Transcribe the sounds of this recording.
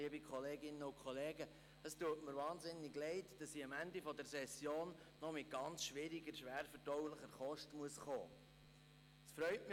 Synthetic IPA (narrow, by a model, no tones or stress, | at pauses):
əbikʰχɔleːɡɪnːəʊkχɔleːɡə | əstuətməɾvɑːnzɪnːɪɡlɛɪtd̥ɑsiɑmænd̪ifɔdɛɾsɛsjoːnː | ɔmɪt̚ɡ̥ɑnt͡sʃʋɪɾiɡəɾʃʋæːɾfədɔwləχəɾχɔʃtəmuəsχo̰ː | əsfɾœʏtmɪ